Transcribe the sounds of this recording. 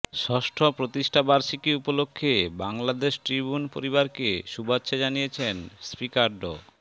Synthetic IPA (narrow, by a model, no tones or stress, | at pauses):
ʃɔʃʈʰopɾot̪iʃʈʰabaɾʃikiupolokʰːebaŋlad̪eʃʈɾibunpo̰ɾiβaɾkeʃubatːɕʰad͡ʑanijet͡ɕʰenspikaɾɖo̰